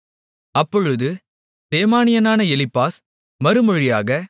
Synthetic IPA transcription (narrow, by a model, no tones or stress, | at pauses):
ɐpːɔɻɯðɯ | d̪̥eːmaːnɪjɐnaːnɐɛlɪpːaːs | mɐɾɯmɔɻɪjaːɣɐ